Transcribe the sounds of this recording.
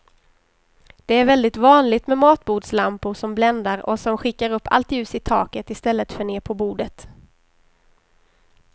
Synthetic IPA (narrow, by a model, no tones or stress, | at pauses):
d̪̥ɛæɾvɛld̪ɪt̪vɑːnlɪɡt̪mɛmɑːt̪buːd̪slampʊɾʂɔmblɛnd̪aɾɔ̰sɔmɧɪkːaɾɵpːa̰lt̪jʉ̟ːsɪt̪ʰɑ̰ːkət̪ɪst̪ɛlːət̪fœɳeːpʰɔbuːd̪ət̪